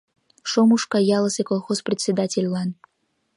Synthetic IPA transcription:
ʃomuʃkɑjɑlˠəsekolˠxosprʲet̪ʲsʲed̪atʲelʲlɑn

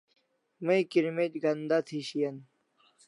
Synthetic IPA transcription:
mɐikiɾmet̪ɡɐnd̪at̪ʰiɕijɐn

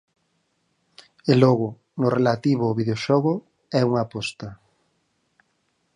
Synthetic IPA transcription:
elɔɣʊ | nʊrelat̪iβʊːβið̞eoʃɔɣʊ | ɛuŋapɔst̪ɐ

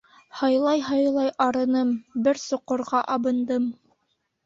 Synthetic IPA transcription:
hɑjlˠɑjɦɑjlˠɑjɑɾɤ̆nɤmbɘɾsŏqːŏɾʁɑʔɑβɤ̆nd̪ɤm

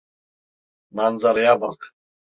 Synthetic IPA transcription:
manzaɾjaba̰q

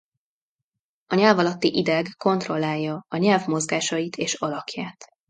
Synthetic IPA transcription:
ɒɲɛːlvɒlɒt̪ːiʔid̪ɛɡko̞nt̪ro̞lːaːjːɒɒɲɛlvmo̞zɡaːʃɒjit̪ʰeːʃɒlɒkjaːt̪

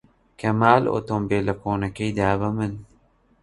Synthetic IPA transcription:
kɐmaːlo̰t̪ombeːlɐkoːnɐkejd̪aːβɐmən

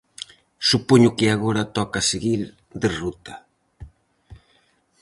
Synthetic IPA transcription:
supoɲʊkɪaɣoɾɐt̪ɔkaseɣiɾ | ðerut̪ɐ

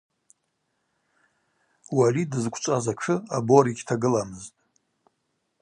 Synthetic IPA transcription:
walidɨzkʷʰʼt͡ʃʷʼazaʈ͡ʂʰɨaboɾiɡʲtʰaɡɨlamɨztʼ

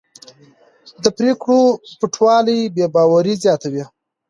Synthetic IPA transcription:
d̪əpɾekɽopɪʈʰwɑlijbebɑwaɾizjɑt̪awi

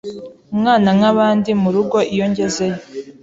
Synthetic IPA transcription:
umŋaːnaŋaβaːndimuɾuɡo̞ʔijo̞ɲɟe̞ze̞jo

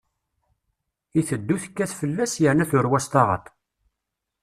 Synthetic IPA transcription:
iθəd̪ːuθə̥kːæθfəlːæsjəɾnæθʊɾwæst̪ɑʁə̰t̪ˤ

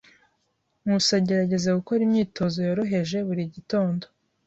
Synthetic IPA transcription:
ŋusaɟe̞ɾaɟe̞zaɡukoɾimɲiːtʰo̞zo̞joɾo̞ɦe̞ʒe̞βuɾiɟito̞ːndo

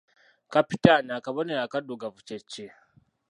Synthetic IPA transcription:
kapitanakabɐnejakadoɡavut͡ʃet͡ʃːe

